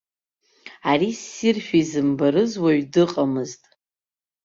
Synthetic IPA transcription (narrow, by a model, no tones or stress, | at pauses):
aɾisirʃᶣizɨmbaɾɨzwaɥdɨqʼamɨztʼ